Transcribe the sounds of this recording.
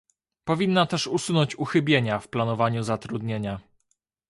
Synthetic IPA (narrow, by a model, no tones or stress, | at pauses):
pɔvʲinːat̪ɛʂusunɔɲt͡ɕuxɘbʲjeɲafplanɔvaɲuzat̪ɾud̪ɲeɲa